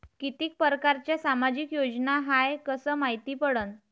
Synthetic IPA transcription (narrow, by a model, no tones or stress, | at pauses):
kit̪iːk̚pəɾəkaɾt͡ɕjasamad͡ʑikjod͡ʑnaɦajkəsəːmait̪iːpəɽən